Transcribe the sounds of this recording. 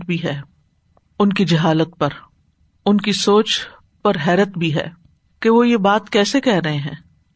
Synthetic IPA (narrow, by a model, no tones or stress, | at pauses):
bʱiɦɛː | ʊnkid͡ʒɐɦaːlət̪pɐɾ | ʊnkisoːt͡ʃ | pɐɾɦɛːɾət̪bʱiɦɛ̰ː | keʋojebaːt̪kɛːsekɛɦɾɐɦẽɦɛ̃ː